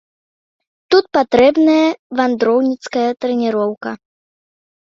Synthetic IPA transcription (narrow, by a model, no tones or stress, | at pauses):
t̪ut̪̚pat̪ɾɛbnɐjɐvand̪ɾɔwnʲit̪skɐjɐt̪ɾɛnʲiɾɔwkɐ